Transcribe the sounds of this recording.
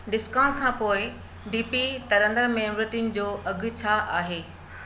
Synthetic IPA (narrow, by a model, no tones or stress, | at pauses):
ɖɪskãːʊɳʈ̚kʰãːpoːɪ | ɖiːpit̪ɐɾə̃nd̪əɾmẽːɾɪt̪inɪ̆d͡ʑoːʔɐɡ̆ʱt͡ɕʰaʔaːɦeː